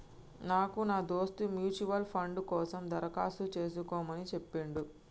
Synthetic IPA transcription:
naːkunaːd̪o̞ːst̪umjuːt͡ʃuʋɐlpʰɐɳɖkɔːsɐmd̪ɐɾɐkaːsut͡ʃe̞ːs̬ukɔːmɐnit͡ʃepːiɳɖu

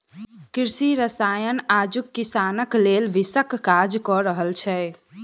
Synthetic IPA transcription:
kɾsiɾəsajənad͡ʒukːisanəklelʋisəkːad͡ʒkɔɾəɦəlt͡ʃʰɛ

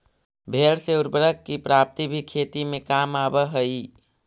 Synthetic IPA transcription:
bʱeɽseuɾbəɾəkːipɾap̚t̪ibʱikʰet̪imekamabəɦəi

